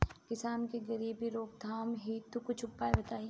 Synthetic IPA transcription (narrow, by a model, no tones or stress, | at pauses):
kɪsaːnkeɡɐɾiːbiɾoːk̚d̪ʱaːmɦiːt̪ukʊt͡ʃʰʊpːaːebɐt̪aːi